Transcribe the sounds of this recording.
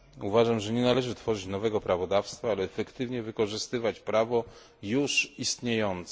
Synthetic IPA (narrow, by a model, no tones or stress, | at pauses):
uvaʐamʐɛɲɛnalɛʐɘt̪fɔʐɘt͡ɕnɔvɛɡɔpɾavɔd̪afst̪faalɛːfɛkt̪ɘvɲɛvɘkɔʐɘst̪ɘvat͡ɕpɾavɔ | juʂist̪ɲejɔnt̪s